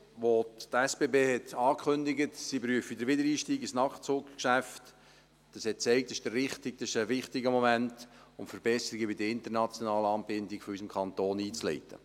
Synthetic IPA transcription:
ʋoɛsb̥eːbeːhɛt̪ɑːkʰχʏnd̪ɪɡətsibɾyəfidəɾʋɪdəɾiːʃtiːɡisnɑχt̚t͡sʊkkʃæft | d̥ɑshɛt̚t͡sɛɪk̚t̪ɛʃd̥ərːɪχtɪk̚dɑsɪʃəʋɪχtɪɡəmɔmænt | ʊmfəɾb̥ɛsəɾiɡəbidəɪnt̪əɾnɑt͡sjɔnɑːləɑːnbɪndɪɡfɔysəmkʰɑnt̪oːniːt͡slɛ̰ɪtʰə̰

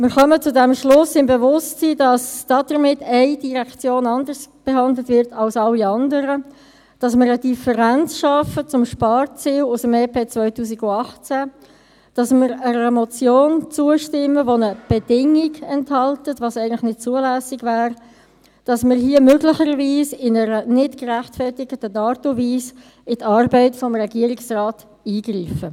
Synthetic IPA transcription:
mɪːʁχœmət͡sʊdɛmʃlʊsːɪnbɛvʊstsidɑsd̥ɑdəɾmɪtʰɛɪd̥iʁɛkt͡sjoːnɑndərsb̥eɦɑndlətvɪɾtʰɑlsɑlːiɑndəɾə | d̥ɑsmɪɾəd̥ifəɾænt͡sʃɑfət͡sʊmʃpɑːɾt͡siːlʊsəmeːpʰeːt͡svœʏtuːs̬iɡʊɑχt͡sæ | d̥ɑsmɪɾəɾɛmɔt͡sjoːnt͡suəʃtɪmːəvonəb̥ɛd̥ɪŋɪɡɛnthɑltətvɑːsæɪɡən̩tlɪχxnɪt̚t͡suəlæːsɪɡvæːr | d̥ɑsmɪɾɦiːəmøɡlɪçəɾviːsɪnəɾənɪtkræχtfɛrtɪɡətənɑːtoviːs | ɪtɑːrbəɪtfɔmrɛɡiəɾɪksrɑːt | iːɡriːfə

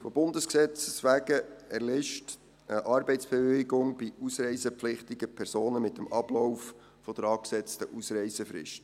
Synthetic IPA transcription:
fobʊndəsksɛt͡ssʋæːɡəɛɾlɪʃt | əʔɑɾbɛɪtsb̥ɛʋʏiɡʊŋb̥iʔusɾɛɪsəplɪχt̪iɡəpʰɛɾsoːnəmɪtːəmɑb̥lɔwf | fɔd̥əɾɑːksɛt͡stəʔusɾɛɪsəfrɪ̰ʃt

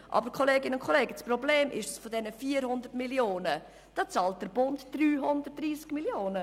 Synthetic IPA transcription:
ʔɑ̰bəɾkʰɔleːɡɪnʊnkʰɔleːɡəsprɔbleːmʔɪ̰ʃsfɔdɛnəfiːəɾhʊndərtmiljoːnə | d̥ɑːt͡sɑːlt̚d̥əɾb̥ʊntd̥ɾyːɦʊndərt̚d̥ɾiːskmiljoːnə

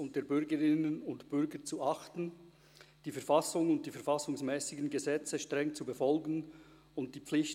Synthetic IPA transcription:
ʊnt̚d̥eːɐbʏʁɡəʁɪnənʊntb̥ʏʁɡət͡suʔɑχtn̩ | d̥iːfɛɐfɑsʊŋʊnt̚d̥iːfɛɐfɑsʊŋsmɛːsɪɡən̩ɡəzɛt͡səʃtʁ̥ɛŋt͡subəfɔlɡən̩ | ʊntd̥iːp͡flɪç

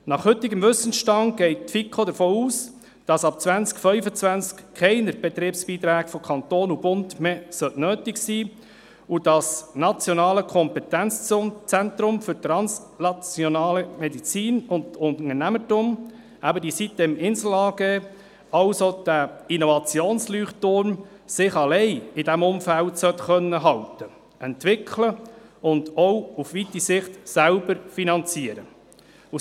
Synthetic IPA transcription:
nɑχhɵtːɪɡəmʋʏsən̩ʃtɑŋɡ̥ɛɪt̚tfikʰχod̪əɾfoːuːs | d̥ɑsɑpt͡sʋænskfœʏfət͡sʋænskkʰɛɪnəɾb̥ɛt̪ɾiːpsb̥iːt̪ɾæːɡfɔkʰɑnt̪oːnub̥ʊndmesœʔnøːtɪksiː | ud̥ɑsnɑt͡sjɔnɑːləkʰɔmpɛt̪ænt͡st͡sænt̪ɾʊmfʏɾt̪ɾɑns | nɑt͡sjonɑːləmɛdit͡siːnʊndtʊnŋənæmətʊm | æbədisit̚d̥ɛmɪnsl̩ɑːɡeː | ɑʊsod̥æinovɑt͡sjoːnslyːχtʊɾn | sɪχɑlɛɪɪdæmʊmfæltsœt̪χœnːəɦɑltə | ɛnt̪ʋɪkʰləʊnd̪ɔwufʋit̪isɪχt̪sælbəɾfinɑnt͡siəɾə | u

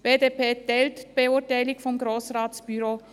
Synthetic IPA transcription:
b̥eːdeːpeːtɛltb̥eutaɪlɪɡfɔmɡɾoːsraːtsb̥yɾoː

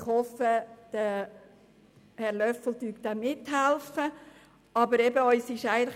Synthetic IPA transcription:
χhɔfəd̪̥ə | hɛɾlœfl̩dyːk̚d̪amɪthælfə | ɑbəɾɛbəœʏsɪʃæɪɡəntl

